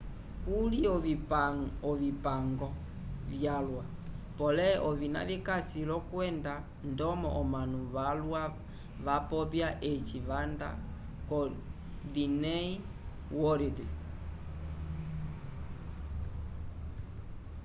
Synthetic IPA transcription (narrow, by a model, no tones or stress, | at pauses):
kuliɔvi | ɔvipaŋɡɔ | vjalwa | pɔlɛʔɔvina̰vikasilɔkwɛnda | ndɔmɔ̰ʔɔmanuβalwa | βapɔpjaʔɛt͡ʃivanda̰ | kɔ | dinɛi | wɔɾedɛ